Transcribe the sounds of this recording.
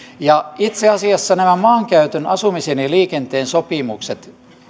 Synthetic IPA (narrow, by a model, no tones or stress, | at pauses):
jɑit̪seɑsiɑsːɑnæmæmɑːŋkæyt̪ønɑsumiseniliːkent̪eːnsopimukset̪